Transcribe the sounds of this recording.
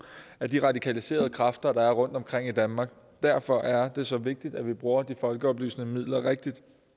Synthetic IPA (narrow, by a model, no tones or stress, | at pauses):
æɐd̥iʁɑ̈d̥ikʰælise̝̰ːɐð̞̩ˠəkʰʁɑfd̥ɐd̥ɑ̈æɐʁɔ̽n̰d̥ɒ̽mkʰʁeŋ̰id̥ænmɑ̈ːɡ̥ | d̥æɐfɒ̽ʔæɐd̥e̝sɒ̽ʋe̝ɡ̥̚d̥id̥æʋib̥ʁuːɐd̥ifɒ̽lɡ̥əɒ̽b̥ly̰ːsnəmið̞̰ˠlɐʁeɡ̥̚d̥id̥